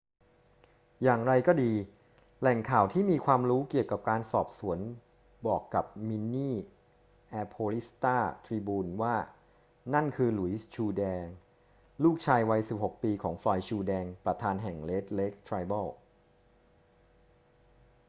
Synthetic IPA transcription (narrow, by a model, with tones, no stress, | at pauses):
jaː˨˩ŋɾa˧jkɔː˥˩diː˧ | lɛ˨˩ŋkʰaː˨˩wt̪ʰiː˥˩miː˧kʰwaː˧mɾuː˦˥ki˨˩əwka˨˩p̚kaː˧nsɔː˨˩p̚su˩˦ən | bɔː˨˩kːa˨˩p̚mi˧nːiː˥˩ | ʔɛː˧pʰoː˧li˦˥st̪aː˥˩t̪ʰɾiː˧buː˧nwaː˥˩ | na˥˩nkʰɯː˧lu˨˩˦t͡ɕʰuː˧dɛː˧ŋ | luː˥˩k̚t͡ɕʰaː˧jwa˧jsi˨˩p̚ho˨˩k̚piː˧kʰɔː˩˦ŋflɔː˧jt͡ɕʰuː˧dɛː˧ŋpɾa˧t̪ʰaː˧nɦɛ˨˩ŋle˦˥t̪̚le˦˥k̚t̪ʰɾaː˧jba˥˩w